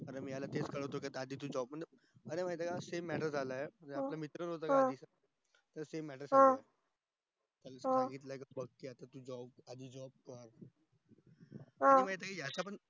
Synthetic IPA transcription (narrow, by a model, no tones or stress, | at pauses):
əɾemiːjalat̪et͡skəɭəʋt̪̬okat̪ad̪ʱiːt̪̬ũːd͡ʑɔbməɳd͡ze | əɾemat̪̬akasemːɛʈəɾd͡zʱalajeməɳnd͡zaplamit̪ɾənɦot̪̬aaiːsa | t̪əɾsemːɛʈəɾd͡zaãa | t̪alsãaɡiːt̪lakabəɡ̚keat̪at̪ũd͡zɔbad̪ʱiːd͡zɔb̚kəɾ | aiməit̪̬akajat͡sapəɳ